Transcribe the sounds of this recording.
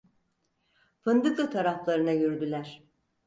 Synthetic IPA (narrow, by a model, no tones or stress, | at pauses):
pʰɯnd̪ɯklˠɯt̪ʰaɾaflˠaɾɯnajøɾd̪ylʲæɾ̥